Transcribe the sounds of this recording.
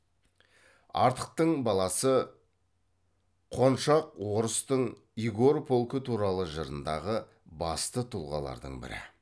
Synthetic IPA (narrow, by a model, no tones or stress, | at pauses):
ɑ̰ɾt̪ə̥q̚t̪əɴbɑlˠɑsə | qʰo̞nʃɑqwo̞ɾəst̪əɴ | ijɡoɾpʰolˠkət̪ʰuɾɑlˠəʒəɾənd̪ɑʁə | bɑst̪ət̪ʰulˠʁɑ̰lˠɑ̰ɾd̪ə̰ɴbɪ̰ɾɪ̰